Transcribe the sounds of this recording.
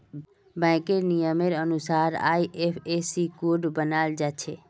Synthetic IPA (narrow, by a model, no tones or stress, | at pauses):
bɛ̃ːkeɾnijəmeɾənʊsaːɾa̰ːiʔepʰesikuɖbənaːld͡ʒaːt͡ʃʰeː